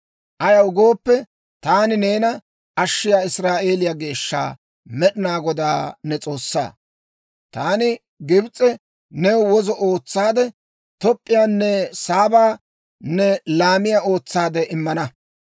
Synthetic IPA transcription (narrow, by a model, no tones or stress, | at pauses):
ʔɐjɐwʊɡo̞ːpːɛ | t̪aːnɪneːnɐ | ʔɐʃːɪjaːɪsɾaːʔe̞ːlɪjaɡe̞ːʃːa̰ː | mɛɗɪnaːɡɔd̪aːnɛt͡sʼo̞ːsːa̰ː | t̪aːnɪ | ɡɪbt͡sʼɛ | nɛwwɔzɔʔo̞ːt͡sːaːd̪ɛ | t̪ɔpʼːɪjaːnːɛsaːbaː | nɛlaːmɪjao̞ːt͡sːaːd̪ɛʔɪmːɐnɐ